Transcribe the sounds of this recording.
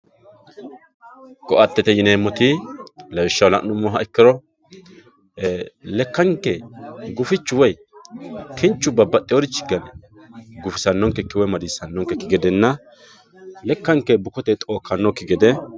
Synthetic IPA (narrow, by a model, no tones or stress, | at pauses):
kɔʔɐt̪ːɛt̪ɛjɪneːmːɔt̪ɪlɐwɪʃːɐwlɐ̰ʔnʊmːɔɦɐɛkːɪɾɔ | lɛkːɐŋkːɛɡʊfɪt͡ʃːʊwɔj | kʰɪnt͡ʃːʊbɐbːɐt̪ʼːɪwɔdɪt͡ʃːɪ̥ɡɐnɛ | ɡʊfɪsɐnːɔŋkːɛkːɪwɔjmɐd̪iːsɐnːɔŋkːɛkːɪɡɛd̪ɛnːɐ | lɛkːɐŋkɛbʊkɔt̪ɛt̪ʼo̞ːkʰːɐnːɔkːɪɡɛd̪ɛ